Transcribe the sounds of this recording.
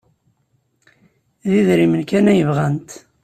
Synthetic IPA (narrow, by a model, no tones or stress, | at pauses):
ðiðɾimənkænæjəvʁænt̪